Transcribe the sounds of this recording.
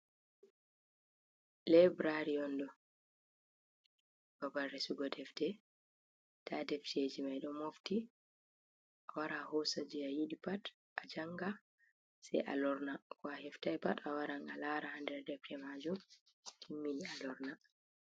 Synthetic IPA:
lɛbɾaɾiɔndɔ | b̥abarɛsuɡɔdɛfdɛ | tʰadɛftʰed͡ʒimajɗɔmofti | ʔawaɾahɔsad͡ʒiajiɗipat | ʔad͡ʒaŋɡa | sɛ̰jʔa̰lɔɾnakɔahɛftajpatawaɾaŋalaɾahandɛɾdɛfdɛmad͡ʒum | tʰimːinialɔɾna

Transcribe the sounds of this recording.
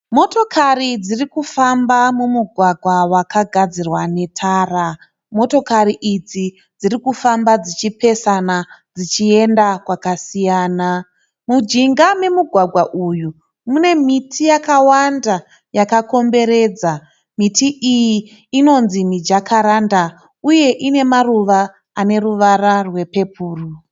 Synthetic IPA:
mo̞to̞kʰarid͡zirikufambamumuɡʱwaɡʱwawakaɡʱad͡zirwane̞tʰaːra | mo̞to̞kariʔid͡zi | d͡zirikufambad͡zit͡ʃipe̞sanad͡zit͡ʃie̞ndakwakasijaːna | mud͡ʒiŋɡame̞muɡʱwaɡʱwaʔuju | mune̞mitʰijakawanda | jakako̞mbe̞ɾe̞d͡za | mitiʔijiː | no̞nzimid͡ʒakʰaɾanda | uje̞ʔine̞maruʋa | ane̞ruʋararwe̞pe̞puːru

